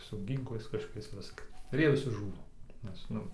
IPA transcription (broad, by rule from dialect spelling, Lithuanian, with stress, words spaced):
sʊ ˈɡʲiːŋklˠɐɪs kɐʃkoːˈkʲɛɪs ˈʋʲɪskɐ ɪr ˈjiɛ ʋʲɪˈsʲɪ ˈʒuːnɐ nʲɛs ˈnʊ